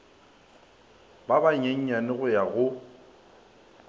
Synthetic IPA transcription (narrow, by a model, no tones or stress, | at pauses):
babaɲeɲ̩ɲanɪɣʊjaɣʊ